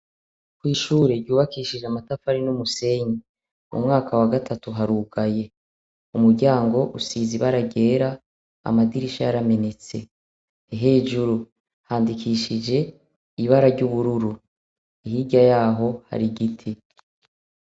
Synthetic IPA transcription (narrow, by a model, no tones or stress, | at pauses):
kwiːʃuːɾe̞ɾɟuːβakiʃiʒeamatafaɾinumuse̞ɲi | ṵmŋaːkʰawaɡatʰatuɦaɾuːɡaje̞ | umuɾɟaːŋɡo̞ʔusiːziβaɾaɟe̞ːɾa | a̰madiɾiʃajaɾame̞ne̞t͡se̞ | ɦe̞ːʒuɾu | haːndikʰiːʃid͡ʒe̞ | iβaɾaɾɟuβuɾuɾu | iɦiɟajaːɦo̞ha̰ɾiɡitʰi